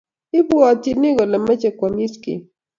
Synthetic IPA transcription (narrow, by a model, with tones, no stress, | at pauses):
ɪ˦bu˦ɔ˨tɪ˨nɪ˦ɡɔ˨lɛ˨mɛ˦t͡ʃɛ˨kwa˨mi˦skḭ˨